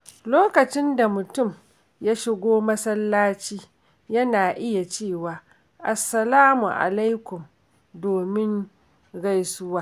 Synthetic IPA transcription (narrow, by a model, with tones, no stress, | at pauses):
loː˦kɐ˨t͡ʃɪ˦nda˨mʊ˨tʊ˦˨m | ja˦ʃɪ˦ɡʷoː˦mɐ˦sɐ˦lːaː˦t͡ʃiː˦ | jɐ˦naː˨ʔɪ˦ja˨t͡ʃeː˦˨waː˨ | ʔa˨sːɐ˨laː˦mṵ˨ʔa̰˨la˦jkʷʊ˨m | doː˨mɪ˦ŋ | ɡa˦jsʊ˦waː˦